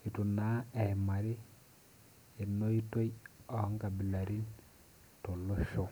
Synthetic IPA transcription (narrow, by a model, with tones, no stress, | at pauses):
i˨tu˨na˦ɛ˨ma˨ɾi˦ | e˨no˦i˦to˦jɔ˨˦ŋɡa˨bi˨la˨ɾi˦n | to˨lo˦ʃo˦